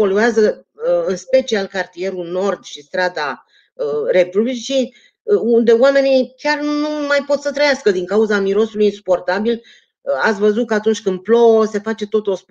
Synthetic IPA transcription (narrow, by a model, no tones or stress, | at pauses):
po̞luazəɨnspe̞t͡ʃialkart̪ije̞ɾuno̞rd̪ʃist̪ɾad̪a | əɾe̞publit͡ʃi | und̪e̞owame̞nikʲarnnumajpo̞t̪sət̪ɾəjaskəd̪iŋkauzamiɾo̞sulujinsu̥po̞rt̪abil | at̪sʲvəzut̪̚kəat̪unt͡ʃʲkɨnd̪̚plose̞fat͡ʃe̞t̪o̞t̪o̞sp